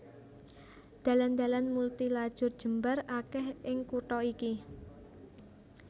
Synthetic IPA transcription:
d̪̥a̤land̪a̤lanmult̪ilad̥ʒ̥ʊ̤rd̥ʒ̥ə̤mbarakɛhʔɪŋkuʈɔiki

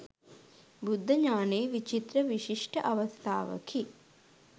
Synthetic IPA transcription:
bud̪ʱːɐɲaːneːʋit͡ʃit̪ɾɐʋiʃiʂʈəʔɐʋɐst̪ʰa̰ːʋə̰kʰi

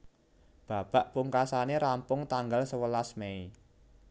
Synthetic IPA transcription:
b̥a̤b̥a̤ʔpuŋkasaneɾampʊŋt̪aŋɡalsəwəlasmei

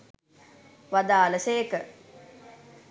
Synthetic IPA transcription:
ʋad̪aːləseːkə

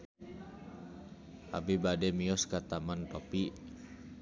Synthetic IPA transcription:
ʔa̰bibadɛmiɔskat̪amanpapi

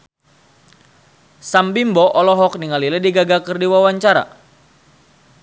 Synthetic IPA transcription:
sambimbɔʔɔlɔɦɔk̚niŋalilɛdiɡaɡakərdiwawaɲt͡ʃaɾa̰

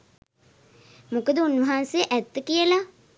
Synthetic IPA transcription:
mukəd̪əunʋɐɦansejʔæt̪ːəkijəla

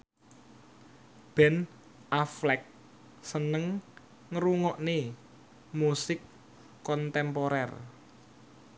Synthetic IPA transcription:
b̥ɛ̤n | ʔaflɛk̚ | sənəŋ | ŋəɾuŋɔʔne | musɪkː | ɔnt̪ɛmpoɾɛr

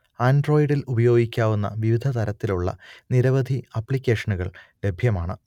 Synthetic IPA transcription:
aːnɖro̞ːjiɽilubɐjo̞ːɡikʲːaːʋunːɐ̰ʋiʋid̪ʱɐt̪ʰɐɾɐt̪ːiluɭːɐ̰niɾɐʋɐd̪ʱiɐpːɭikʲːe̞ːʂɐnuɣɐ̰ɭle̞bʱjɐmaːɳɨ

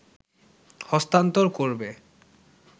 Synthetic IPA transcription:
hɔst̪ant̪oɾkoɾbe

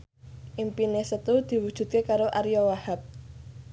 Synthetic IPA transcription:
ʔimpinesət̪ud̪̥i̤wud̥ʒ̥ṳt̪̚kekaɾoʔaɾijɔwahap̚

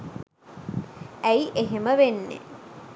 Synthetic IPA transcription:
æjʔeɦeməʋenːḛ

